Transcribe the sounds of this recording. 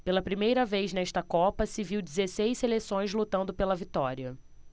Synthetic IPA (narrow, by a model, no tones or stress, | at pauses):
pelɐpɾimejɾɐvejznɛʃt̪ɐkɔpɐsɪviwd͡ʒɪzesejselesõj̃zlut̪ɐ̃nd̪ʊpelɐvit̪ɔɾiɐ